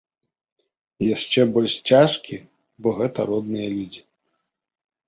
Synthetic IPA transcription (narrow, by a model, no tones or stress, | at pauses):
jaʂt͡ʂɛbɔlʲʂt͡sʲaʂkʲi | bɔɣɛt̪ɐɾɔd̪̚nɨjɐlʲud͡zʲi